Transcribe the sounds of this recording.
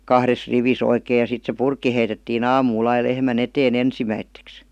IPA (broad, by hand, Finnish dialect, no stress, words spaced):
kɑhres riʋis oikeː jɑ sit se purkːi heitetːin ɑːmuːl ɑi lehmæn eteːn ensimæitːeks